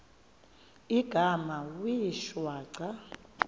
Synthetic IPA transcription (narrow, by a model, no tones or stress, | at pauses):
iɡ̥ʱamawiʃwaːǀa